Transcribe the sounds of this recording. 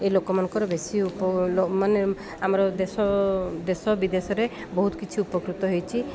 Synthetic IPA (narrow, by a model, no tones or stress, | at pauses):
ejlokɔmanɔŋkɔɾɔbesiupɔlomane | amɔɾɔd̪esɔd̪esɔbid̪esɔɾe | bɔɦut̪kit͡ʃʰiupɔkɾut̪ɔɦojt͡ʃʰi